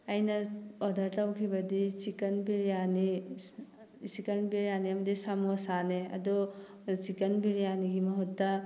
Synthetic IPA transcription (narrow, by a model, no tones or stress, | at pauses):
ajnaɔd̪ʱaɾtawkʰibɐdit͡ʃikɐnbiɾijani | sikɐnbiɾjaniamɐdisamuasaneɐ̰dɔ | t͡ʃikɐnbiɾijaniɡimɐɦutːa